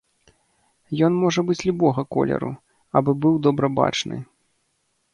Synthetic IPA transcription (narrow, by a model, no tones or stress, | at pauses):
jɔnmɔʐɐbɨt͡sʲlʲubɔɣɐkɔ̰lʲɛ̰ɾṵ | ɐbɨbɨwd̪ɔbɾɐba̰t͡ʂnɨ̰